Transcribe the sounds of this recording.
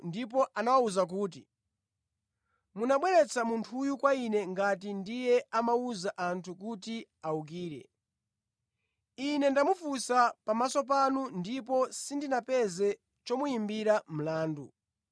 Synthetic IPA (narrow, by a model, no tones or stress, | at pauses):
ndip̬ɔʔanawauzak̬uːt̬i | munaɓwɛɾɛt͡sʰamuntʰujukwainɛŋɡat̬indijɛamauzaʔantʰukutiauk̬iːɾɛ̰ | inɛndamufusapamasɔp̬anundipɔsindinapɛzɛ | t͡ʃɔmujimbiɾam̩laːndu